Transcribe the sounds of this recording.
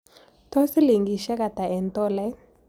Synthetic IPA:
tɔ˦si˦li˨ŋɡi˨ʃɛ˦ka˨ta˨ɛ˨n˨tɔ˦lɛ˦

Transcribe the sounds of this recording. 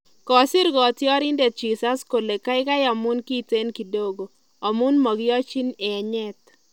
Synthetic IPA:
kɔ˨sɪ˦ɾɡɔ˨tɪ˦ɔ˦ɾɪ˦nde˨t̚d͡ʒi˨sa˦sko˨le˨ka˦ɪ˦ka˦ja˨mʊ˦nki˦te˦nki˨do˦ɡo˨ | ɔ˨mʊ˦nmɔ˨ɡɪ˦ɔ˦t͡ʃi˦nɛ˨ɲɛ˦t̪̚

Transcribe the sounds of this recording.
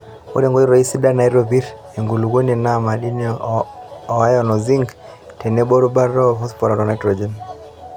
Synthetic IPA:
ɔ̰˦ɾɛ˨ŋɡɔ˦i˦ɾɔ˨i˦si˦da˦na˨i˦ɾɔβi˦ɾ | ɛ˨ŋɡu˨lu˨ɣɔ˦niɛ˨na˦ma˨ɗi˦n | ɔ˨a˦jɔnɔ˨zi˦ŋɡ | tɛ˨nɛ˦bɔ˦ɾu˦ba˦ɾɔ˦fɔ˦spɔ˨ɾa˨ɾɔ˨na˨jtɾɔd͡ʒɛ˨n

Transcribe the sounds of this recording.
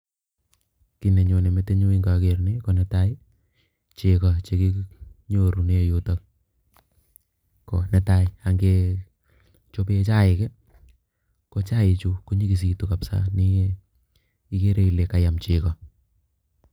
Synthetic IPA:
ki˨nɛ˨ɲo˨ne˨mɛ˦te˦ɲo˦i˦ŋɡa˨ke˨ɾne˦ko˨nɛta˦ɪ˦ | t͡ʃe˨ka˨t͡ʃe˦ki˦ɲoɾu˨ne˦jotak | ko˨nɛ˦ta˦ja˨ŋɡe˧ | t͡ʃo˦pe˦t͡ʃa˦ɪ˨kɛ˦ | ko˦t͡ʃa˦ɪ˨t͡ʃu˦ko˦ɲi˦ki˨s̬i˨tuka˨psa̰˦ni˦ | i˦ke˦ɾe˦i˨le˨ka˨ja˨mt͡ʃɪkɔ˨

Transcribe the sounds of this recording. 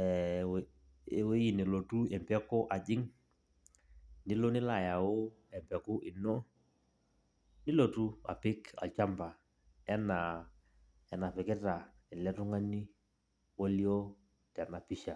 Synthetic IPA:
ɛ˨ | we˦ji˨nɛ˨lo˨tu˦ɛ˨mpɛ˦kʊ˦ʔa˨d͡ʒɪ˦ŋ | nɪ˦lo˦nɪ˦la˨ja˨ʊ˦ | ɛ˨mpɛ˨kʊ˦ʔɪ˨nɔ˦ | nɪ˦lo˨tu˦a̰˨pɪ˦ka̰˨t͡ʃa˦mba˨ | ɛ˦na˨ | ɛ˨na˨pɪ˨kɪ˦ta˨ | ɛ˨lɛ˦tʊ˦ŋa˦ni˦ | wo˦li˦o˦ | tɛ˨na˨pi˦ʃa˨

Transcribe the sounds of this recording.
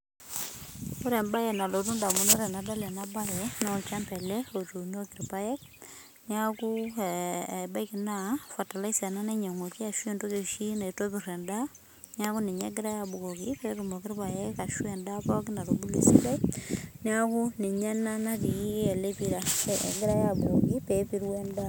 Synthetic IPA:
o˦ɾɛ˨mba˦jɛ˨na˨lo˨tu˦nda˨mu˦no˦ɾɛ˨na˨da˦lɛ˨na˦ba˦jɛ˨nɔ˦˨t͡ʃa˦mpɛ˨lɛ˦o˨tu˨no˦kɪ˨ɾpa˦jɛ˦k̚ | ni˦a˦ku˦˨ | ba˦i˦ki˨na˦fa˨ta˨la˦i˦sɛ˨na˦nɛ˦ɲa˨ŋo˨ki˦a˨ʃwe˨ndo˦ke˨ʃi˦na˨i˨to˦bi˨rɛ˨nda˦ | nja˦ku˦ni˨ɲḛ˦ɡɪ˦ɾa˦ja˨bu˨ko˨ki˦pe˨ɾu˨mo˨kɪ˦rpa˨je˦ka˨ʃwe˨nda˦pɔ˦kina˨ɾubu˦lḭ˨si˦la˦ini˦a˦ku˦ni˨ɲa˦na˦na˦ti˨i˦e˨le˦pi˦ɾa̰˨ɡɪ˦ɾa˦ja˨bu˨o˨ki˦pe˦pi˦ɾwe˦nda˦

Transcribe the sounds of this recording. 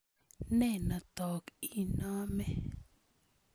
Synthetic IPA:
nɛ˦˨na˨t̪ɔ˨ki˨nɔ˦mɛ˨

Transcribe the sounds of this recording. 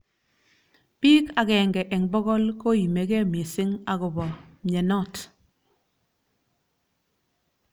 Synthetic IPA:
piː˦ka˨kɛ˨ŋɡɛ˨ʔɛ˨ŋbɔ˦ɣɔ˦lko˦˨ji˨me˨kɛ˦˨me˨sɪ˦ŋa˨kʊ˨bɔ˨ɲɛ˨nɔ˦˨t

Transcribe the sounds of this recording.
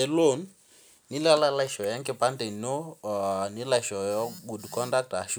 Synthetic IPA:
ɛ˨lo˦˨nː | i˦la˦la˦la˦iʃɔ˨ja˦ŋkɛ˨pa˦nte˨no˦ni˦la˨i˨ʃɔ˨jɔ˦ɡu˨dkɔ˦nda˦k̚ta˨ʃu

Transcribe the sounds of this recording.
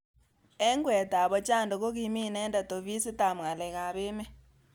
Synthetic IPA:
ɛ˦ŋɡwɛ˨ta˨βɔ˦t͡ʃa˦˨ndo˨ɣo˦ɣi˨mi˦˨nɛ˦nda˨to˨βi˦si˦ta˨mwa˨le˨ɣa˨βe˦mɛ˦

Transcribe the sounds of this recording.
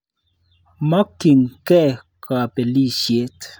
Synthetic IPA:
ma˦kːi˨ŋkɛ˦˨ | kʰa˨pe˨li˦ʃje˦t

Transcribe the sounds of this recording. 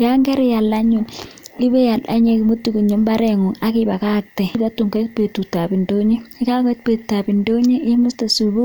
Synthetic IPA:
jaŋɡɛ˦ɾi˦ja˨lːa˦ɲu˨ni˦be˦ja˨la˦ɲe˦ki˨mu˦tːi˨ku˨ɲu˦mba˦ɾɛŋu˨ŋa˦kiba˨ka˦k̚tɛ˨ta˦tːu˨ŋke˦t̚pe˨tːu˨ta˨bi˨ndo˦ɲe˦i˦ka˦ke˦t̚pe˨ttːa˨bi˨ndo˦ɲe˦ɪ˦mu˦sta˨subu˦

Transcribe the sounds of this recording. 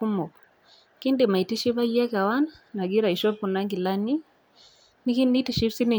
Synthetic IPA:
u˦mɔ˨ | ki˦ndi˨ma˨i˨ti˦ʃi˦βa˦jɛ˦ka˨wa˦nana˨ɡi˦ɾa˨i˨ʃɔ˦pu˨na˦ŋɡi˨la˦ni˦ | ni˦ki˦ni˦ti˨ʃi˦fsi˦ni˨

